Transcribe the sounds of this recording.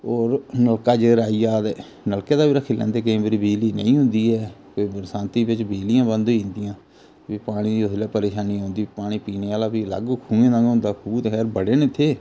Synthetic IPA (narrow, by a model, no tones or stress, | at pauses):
oːɾnəlkaːd͡ʒeɾaːiːaːd̪ɛː | nəlkeːd̪aːbiːɾəkʰːɪljã̰nd̪eːk̬ẽːmbəɾiːbeːliːnə̰ĩːɦʊ̃nd̪iːɛːkoːiːbəɾsãːnt̪iːbɪt͡ʃbeːlijãːbənd̪ĩːnd̪ijãː | ʋiːpaːɽ̃iːd̪iːʊsljaːpəɾeːʃaːniːɦõːnd̪iːpaːɽ̃iːpiːneːaːlaːpiːla̰ɡkʰũːẽːnãːɡɦʊ̃nd̪aːkʰuːt̪ːkʰɛːɾbəɽeːnẽːt̪ʰːeː